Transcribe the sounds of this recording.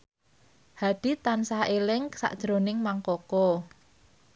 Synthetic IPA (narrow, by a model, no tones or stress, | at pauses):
haɖ̪̥i̤t̪ansahelɪŋsa̰ʔd̥ʒ̥ɾo̤nɪŋmaŋkɔkɔ